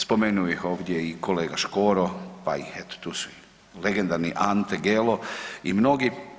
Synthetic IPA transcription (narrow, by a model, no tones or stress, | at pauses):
spo̞menujixo̞ːʋd̪je̞ikʰo̞le̞ːɡaʃkoːɾopa̰ḭhet̪o̥t̪uːsu̥i | leɡe̞nd̪aɾniʔant̪eɡeloimno̞ɡi